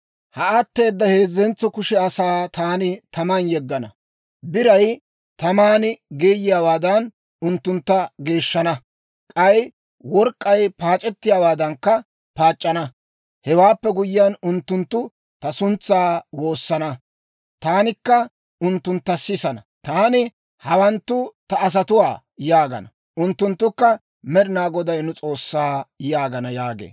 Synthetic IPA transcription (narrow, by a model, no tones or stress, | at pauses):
hɐɐt̪ːe̞ːd̪ːɐhe̞ːzːɛnt͡sːɔkʊʃɛɐsaːt̪aːnɪt̪ɐmɐnjɛɡːɐnɐ | bɪɾɐj | t̪ɐmaːnɪɡeːjɪjaːwaːd̪ɐn | ʊnt̪ːʊnt̪ːɐɡe̞ːʃːɐnɐ | kʼɐj | wɔɾkʼːɐjpaːt͡ʃʼɛt̪ːɪjaːwaːd̪ɐŋkːɐ | paːt͡ʃʼːɐnɐ | hɛwaːpːɛɡʊjɪjanʊnt̪ːʊnt̪ːʊ | t̪ɐsʊnt͡sːaːwo̞ːsːɐnɐ | t̪aːnɪkːɐ | ʊnt̪ːʊnt̪ːɐsɪsɐnɐ | t̪aːnɪ | hɐwɐnt̪ːʊt̪ɐːs̬ɐt̪ʊwaː | jaːɡɐ̰nɐ | ʊnt̪ːʊnt̪ːʊkːɐ | mɛɾɪnaːɡɔd̪ɐjnʊt͡sʼo̞ːsːaːjaːɡɐnɐjaːɡḛː